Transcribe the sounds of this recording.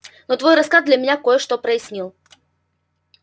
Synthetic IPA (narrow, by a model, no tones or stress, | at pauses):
not̪vojrɐskaz̚d̪lʲəmʲɪnʲakojəʂt̪opɾəɪsʲnʲilˠ